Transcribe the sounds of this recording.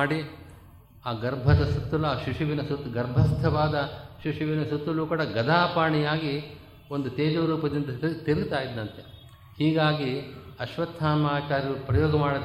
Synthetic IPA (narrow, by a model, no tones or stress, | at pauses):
ɽi | aːɡɐɾbʱɐd̪ɐsut̪ːɐluaːʃuʂuʋinɐsut̪ːɡɐɾbʱɐst̪ʰɐʋaːd̪ɐʃɾiʂiʋinɐsut̪ːuluːkuːɽɐɡɐd̪ʱaːpaːɳijaːɡi | ond̪ut̪eːd͡ʒɐʋɾuːpɐd̪ind̪ɐt̪iɾɡt̪aːjid̪nɐnt̪e | hiːɡaːɡiɐʃʋɐt̪ʰːaːnmaːt͡ʃaːɾjɐupɾɐjɔːɡɐmaːɽɐ